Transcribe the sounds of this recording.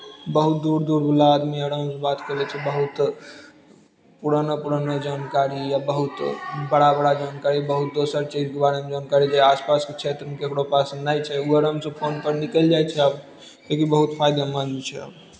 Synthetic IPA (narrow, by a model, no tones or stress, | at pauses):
bəɦut̪̚d̪uɾd̪uɾbʱulaːd̪miəɾəmsbat̪kəlɛt͡ʃʰɛbəɦut̪ | puɾanəpuɾanəd͡ʒankaɾijabəɦut̪bəɽabəɽad͡ʒankaɾibəɦut̪̚d̪osəɾt͡ʃid͡ʒkebaɾemd͡ʒaːnkaɾid͡ʒeaspasket͡ʃʰet̪ɾəmekekɽopasnajt͡ʃʰɛuəɾəmsə̃pʰonpəɾnikəld͡ʒajt͡ʃʰɛəb | lekibəɦut̪pʰajd̪amənt͡ʃʰɛ̰ə̰b